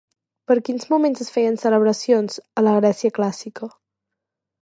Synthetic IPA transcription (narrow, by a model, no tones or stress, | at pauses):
pəɾkinzmumẽnzəsfɛjənsələβ̞ɾəsionzələɣɾɛsiəklasikə